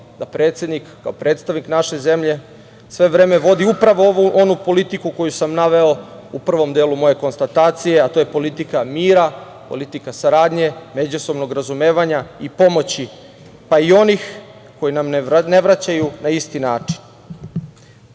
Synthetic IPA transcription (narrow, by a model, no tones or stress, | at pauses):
d̪̥apɾet̪sje̞d̪nikːaopɾeːt̪st̪aʋniknaʃe̞ze̞mʎe̞ | sʋe̞ʋɾeːme̞ʋo̞d̪iupɾaʋo̞ʋuʔo̞nupo̞lit̪ikuko̞jusamnaʋe̞o̞upr̩ʋo̞md̪e̞ːlumo̞je̞ko̞nst̪at̪aːt̪sije̞at̪oje̞po̞lit̪ikamiːɾa | polit̪ikasaɾaːd̪ɲe̞med͡ʑuso̞bno̞ɡɾazumeːʋaɲaipo̞mo̞t͡ɕi | paio̞nix | ko̞jinamne̞ʋɾat͡ɕajunaist̪inaːt͡ʂi̥n